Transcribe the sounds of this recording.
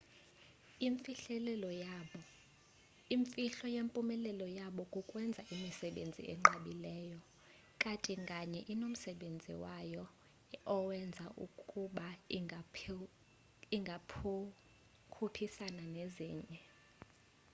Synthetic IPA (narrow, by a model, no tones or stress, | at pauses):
iɱfiɬɛlɛlɔjaɓɔ | iɱfiɬɔjempʼumɛlɛlɔjaɓɔkʼukʼwɛnd͡zʱaʔimisɛɓend͡zʱḭʔɛ̰ŋ͡ǃaɓilɛːjɔ | kʼatʼiŋɡʼaɲɛʔinom̩sɛɓend͡zʱḭwajɔ | ɔwɛnd͡zʱaʔṵkʼuɓa | iŋɡʱapʰ | kʰupʰisananezḭːɲɛ